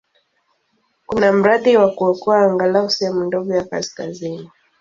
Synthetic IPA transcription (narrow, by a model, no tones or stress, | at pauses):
kunam̩ɾaðiwakuɔkɔaːŋɡalasijamundɔɡɔjaka̰skazini